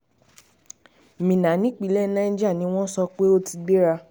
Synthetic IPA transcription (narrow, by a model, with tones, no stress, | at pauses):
mĩ˨nã˨˦nĩ˦k͡pi˨˦lɛ˦˨˦nã˦d͡ʒa˦˨nĩ˨˦w̃ɔ̃˦sɔ˧k͡pe˦o˦ti˧ɡ͡be˦ɾa˧